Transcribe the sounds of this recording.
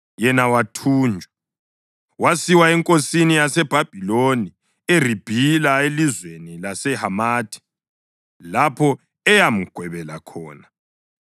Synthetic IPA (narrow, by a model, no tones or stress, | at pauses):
jɛnawatʰuːnd͡ʒʱwa | wasiwaɛŋkʼosinijasɛb̥ʱab̥ʱiloni | er̤ib̥ʱilaelizwenilasɛhamaːtʰi̥ | lapʰɔ | ɛjam̩ɡ̥ʱwɛβɛlakʰɔːna